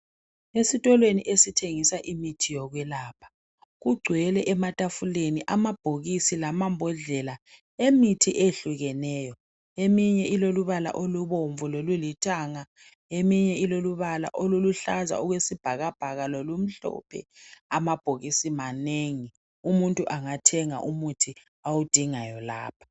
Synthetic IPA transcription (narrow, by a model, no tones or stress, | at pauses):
esitʼɔlweniʔesitʰeŋisaʔimitʰijɔɣwɛlaːpʰḁ | ɣuɡ͡ǀʱwɛlɛʔɛmatʼafuleniʔamab̥ʱoɣisilamambʱɔɮɛla | emitʰiʔeɬuɣɛnɛːjɔ | emiɲɛʔiloluβala̰ʔoluβoɱvulolulitʰʼaːŋa | emiɲɛiloluβala̰ʔoluluɬaza̰uɣwesib̥ʱaɣab̥ʱaɣalolum̩ɬɔ̰pʰɛ̰amab̥ʱoɣisimaneŋi | umuntʼuʔaŋatʰɛŋa̰ʔumutʰi | awud̥ʱiŋajɔla̰ːpʰḁ